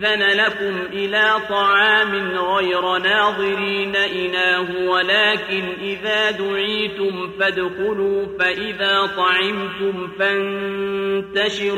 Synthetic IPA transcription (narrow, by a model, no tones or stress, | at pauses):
ðanalakʊmʔɪlaːt̪ˤɑʕɑːmɪnɣajɾanaːðˤɨɾiːnaʔɪlaːhʊwalaːkɪnʔɪðaːd̪ʊʕiːt̪ʊmfad̪xʊluːfaʔɪðaːt̪ˤɑʕɪmt̪ʊmfan | t̪aʃɪɾ